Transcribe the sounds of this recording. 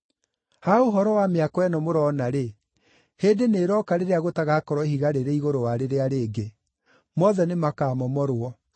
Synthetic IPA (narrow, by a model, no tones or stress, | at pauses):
haoɦɔɾɔwameakɔɛnɔmoɾɔnaɾe | hedeneːɾɔkaɾeɾeaɣotaɣakɔɾwɔhiɣaɾeɾeiɣoɾowaɾeɾeaɾeːɡe | mɔðɛnemakaːmɔmɔɾwɔ